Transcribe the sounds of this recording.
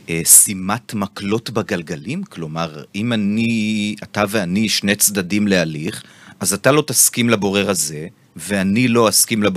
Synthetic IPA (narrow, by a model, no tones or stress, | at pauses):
esimatmaklo̞tbaɡalɡalimklo̞maʁimaniataveaniʃnet͡sd̪adimlealiχazatalo̞taskimlabo̞ʁeʁaze̞ | veanilo̞askimlab